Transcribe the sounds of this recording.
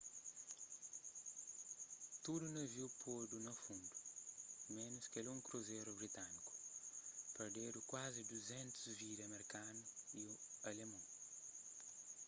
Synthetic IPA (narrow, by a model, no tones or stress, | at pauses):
t̪ud̪unɐviwpʰod̪unɐfũnd̪umẽnuskelɛũŋkɾuzeɾubɾit̪aniku̥ | peɾd̪ed̪ukwazid̪uzɛ̃nt̪uzviɾɐmeɾikanuiuɐlemɐ̃